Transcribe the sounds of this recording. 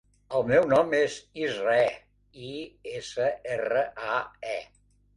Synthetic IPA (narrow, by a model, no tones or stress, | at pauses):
əlˠmɛwnɔmezizraɛ | iesəerəʔaɛ